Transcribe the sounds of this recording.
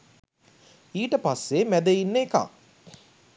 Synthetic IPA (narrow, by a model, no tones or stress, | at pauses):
iːʈəpasːemæd̪einːeːkã̰ː